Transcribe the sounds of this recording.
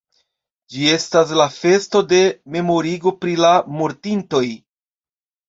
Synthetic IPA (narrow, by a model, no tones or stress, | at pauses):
d͡ʒie̞stas̬lafe̞sto̞de̞me̞mo̞ɾiɡo̞pɾilamoɾtinto̞j